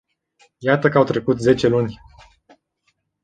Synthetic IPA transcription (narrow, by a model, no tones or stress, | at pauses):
jat̪əkəawt̪ɾe̞kut̪ze̞t͡ʃe̞lunʲ